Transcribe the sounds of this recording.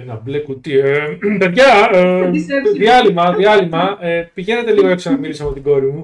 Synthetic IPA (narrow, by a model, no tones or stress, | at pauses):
nɐblekut̪iepe̞ðʝɐseðiɐlimɐðiɐlimɐepiʝe̞ne̞t̪e̞liɣoeksɐnɐmilisɐpo̞t̪iɡo̞ɾimu